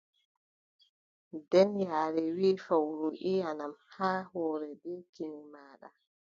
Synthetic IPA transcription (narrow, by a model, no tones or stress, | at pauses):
dɛnjaːɾɛwiːfawɾuʔianamhaːhɔːɾɛdɛkinimaːɗa̰